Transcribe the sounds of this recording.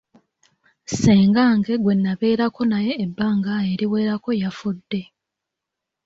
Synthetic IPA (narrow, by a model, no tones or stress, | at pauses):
seːŋɡaːŋɡe̞ɡwe̞nːaβe̞ːɾako̞naje̞ːbːaːŋɡae̞ɾiwe̞ːɾako̞jafudːe̞